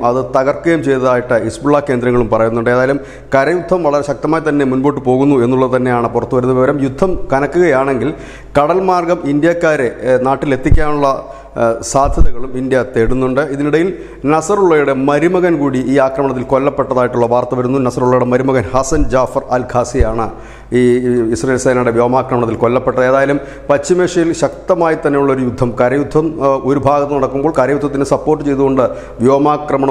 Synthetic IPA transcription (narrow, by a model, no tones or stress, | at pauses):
mɐðɨt̪ɐɣɐrkːɐjumt͡ɕe̞jt̪ɐðaːjiʈːɨisbuɭːake̞ːnd̪ɾɐŋːɐɭumpɐrɐjunːuɳɖɨeːðaːjlum | kɐɾɐjud̪ʱːɐmʋɐɭɐɾeɕɐk̚t̪ɐmaːjɐt̪ɐnːe̞munboːʈːɨpo̞ːɣunːue̞nːuɭːɐðɨt̪ɐnːe̞jaːɳɨpurɐt̪ːuʋɐɾunːɐʋiʋɐɾɐmjud̪ʱːɐmkɐnɐkːuɣɐjaːɳe̞ŋɡil | kɐɽɐlmaːrɡɐmind̪jakːaːɾe̞naːʈːile̞t̪ːikʲːaːnuɭːɐ | saːd̪ʱjɐðɐɣɐɭumind̪jɐt̪eɽunːuɳɖɨiðiniɽɐjil | nɐsɐruɭːɐjuɽe̞mɐɾimɐɣɐnkuːɽiʔiːaːkrɐmɐɳɐt̪ːilko̞lːɐpːe̞ʈːɐðaːjiʈːuɭːɐʋaːrt̪ɐʋɐɾunːunɐsɐruɭːɐjuɽemɐɾumɐɣɐnhɐsɐnd͡ʑaːfɐralɡʱaːsijaːɳɨ | iːisrɐejːlseːnɐɽeʋjo̞ːmaːkrɐmɐɳɐt̪ːilko̞lːɐpːe̞ʈːɐðeːðaːjɐlum | pɐt͡ɕːimeːʂɐjilɕɐk̚t̪ɐmaːjit̪ːɐnːejuɭːɐo̞ɾujud̪ʱːɐmkɐɾɐjud̪ʱːɐmo̞ɾubʱaːɡɐt̪ːɐnɐɽɐkːumboːɭkɐɾɐjud̪ʱːɐt̪ːnesɐpːo̞ːrʈːɨt͡ɕe̞jt̪uɣo̞ɳɖɨ | ʋjo̞ːmaːkrɐmɐɳɐ